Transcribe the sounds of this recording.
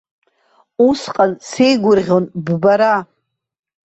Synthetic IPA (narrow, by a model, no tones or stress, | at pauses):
usqʼansejɡʷʊrʁʲo̞nbbaɾa